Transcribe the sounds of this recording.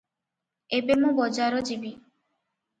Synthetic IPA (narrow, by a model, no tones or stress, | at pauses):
ebemũbɔd͡ʒaɾɔd͡ʒibi